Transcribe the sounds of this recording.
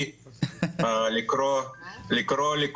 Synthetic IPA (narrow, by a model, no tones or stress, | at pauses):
likɾolikɾolik